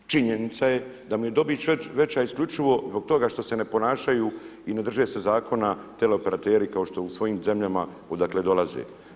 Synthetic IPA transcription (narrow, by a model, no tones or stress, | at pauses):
t͡ʃiɲenit̪saje̞d̪amuje̞d̪o̞bit͡ɕʋeʋe̞t͡ɕaiskʎʲut͡ʃiʋo̞zbo̞ɡ̚t̪o̞ɡaʃt̪o̞se̞ne̞po̞naːʃajuːine̞d̪r̩ʒeːse̞zaːkʰo̞nat̪eleo̞pe̞ɾat̪eːɾikao̞ʃt̪o̞usʋo̞jiːmze̞mʎama | o̞d̪akle̞d̪o̞lazḛ